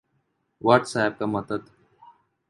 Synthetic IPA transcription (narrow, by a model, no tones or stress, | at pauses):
ʋaːʈsaːɪb̚kaməd̪əd̪